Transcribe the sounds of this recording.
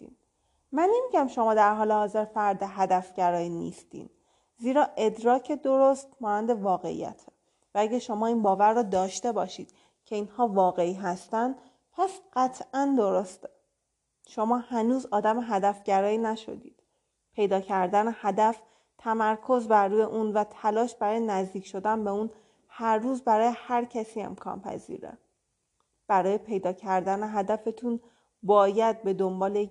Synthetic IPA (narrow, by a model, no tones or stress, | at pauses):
ḭn | mænːemiɟæmʃo̞mɒːd̪æɾɦɒːlehɒːze̞ɾfæɾd̪eɦæd̪æfɟæɾɒːiːnḭːst̪ḭn | ziːɾɒːʔe̞d̪ɾɒːcʰe̞d̪o̞ɾost̪mɒːnænd̪e̞vɒːɣe̞̰ʔḭjæ̰t̪ʰe | vææɟæʃo̞mɒːiːnbɒːvæɾːɒːd̪ɒːʃt̪e̞bɒːʃiːd̪̥ | cʰe̞iːnhɒːvɒːɣe̞iːɦæst̪ænd̪ | pʰæsɢ̥æt̪ʰʔænd̪o̞ɾo̞st̪e | ʃo̞mɒːhænuːzɒːd̪æmeɦæd̪æfɟæɾɒːiːnæʃo̞̰d̪ḭːd̪̥ | pʰe̞jd̪ɒːcʰæɾd̪ænehæd̪æf | t̪ʰæmæɾkʰo̞zbæɾːuːje̞ʔuːnvæt̪ʰælɒːʃb̥æɾɒːjenæzd̪iːcʰʃo̞d̪ænbe̞uːn | hæɾːuːzbæɾɒːje̞hæɾcʰæsiːe̞̰mkʰɒ̰ːnpʰæ̰zḭɾḛ | b̥æɾɒːje̞pʰe̞jd̪ɒːcʰæɾd̪æneɦæd̪æfe̞t̪ʰun | bɒːjæd̪̚be̞d̪o̞mbɒːle